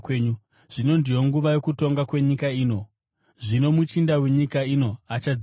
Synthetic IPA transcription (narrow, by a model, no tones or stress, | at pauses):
ɲu | ʐ̥ino̞ndijo̞ŋɡuʋajo̞kuto̞ŋɡakwe̞ɲikaiːno̞ | ʐino̞mut͡ʃindawe̞ɲikaino̞at͡ʃad͡z